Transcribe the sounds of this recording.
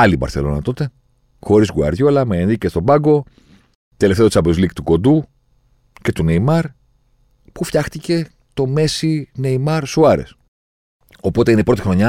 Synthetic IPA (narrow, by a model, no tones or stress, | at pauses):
ɐlibɐ̰ɾθe̞̰lo̞nɐ̰t̪o̞t̪e̞ | xo̞ɾizɣuɐ̰ɾʝolɐmeenðicest̪o̞bɐɡo̞ | t̪ele̞ft̪eosɐbozlikt̪uko̞d̪u | ce̞t̪uneimɐɾ | pufçɐxt̪ice̞ | t̪o̞me̞sineimɐɾsuɐɾḛs | o̞po̞t̪e̞ineipɾo̞t̪ixɾo̞ɲɐ